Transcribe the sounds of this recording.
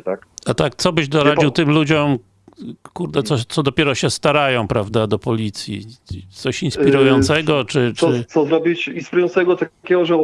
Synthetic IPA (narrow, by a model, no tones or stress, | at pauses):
t̪akat̪ak̚t̪sɔbɘʑd̪ɔɾad͡ʑiwt̪ɘmlud͡ʑɔm | kuɾd̪ɛt̪ɔt̪sɔd̪ɔpʲjɛɾɔɕɛst̪aɾajɔ̃w̃pɾavd̪ad̪ɔpɔlʲit̪sʲjḭt̪sɔɕinspʲiɾujɔnt̪sɛɡɔt͡ʂɘt͡ʂɘsɔzɾɔbʲit͡ɕinspʲiɾujɔ̃nt̪ɛɡɔt̪akʲɛɡɔʐɛ